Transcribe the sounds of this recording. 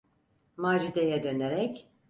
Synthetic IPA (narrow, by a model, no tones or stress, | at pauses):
maːd͡ʒid̪ejɛd̪ø̞neɾɛc